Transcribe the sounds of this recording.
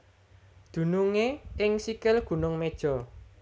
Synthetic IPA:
d̪̥ṳnuŋeɪŋsikɪlɡ̥ṳnʊŋmed̥ʒ̥ɔ̤

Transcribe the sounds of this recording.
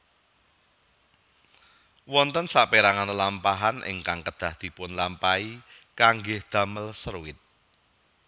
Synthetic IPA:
wɔnt̪ənsapeɾaŋanlampaɦanʔɪ̰ŋkaŋkəd̪̥ä̤hd̪̥i̤pʊnlampai | kaŋɡɪhd̪̥ä̤məlsəɾuwɪt̪̚

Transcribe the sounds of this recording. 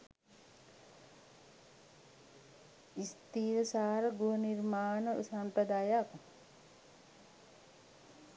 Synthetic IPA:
ist̪iːɾəsaːɾəɡuɦənirmaːnəusampɾəd̪aːjak

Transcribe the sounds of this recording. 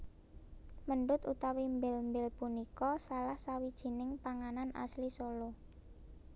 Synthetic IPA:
məɳɖʊt̪ut̪awimbɛlmbɛlpunikɔsalahsawid̥ʒ̥i̤nɪŋpaŋananʔa̰slisolo

